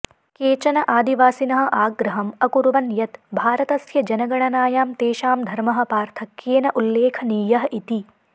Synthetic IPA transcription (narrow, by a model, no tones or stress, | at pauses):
keːt͡ʃɐnɐʔaːd̪iʋaːsinɐɦɐ̆ʔaːɡɾɐɦɐmɐkuɾʋɐnjɐt̪bʱaːɾɐt̪ɐsjɐd͡ʒɐnɐɡɐɳ̃ɐnaːjaːmt̪eːʃaːmd̪ʱɐɾmɐɦɐ̆paːɾt̪ʰɐkjeːnɐʔulːeːkʰɐniːjɐɦɐʔit̪i